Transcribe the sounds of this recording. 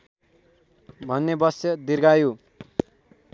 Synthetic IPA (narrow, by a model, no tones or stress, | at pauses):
bʱʌnːebʌsʌd̪irɡaju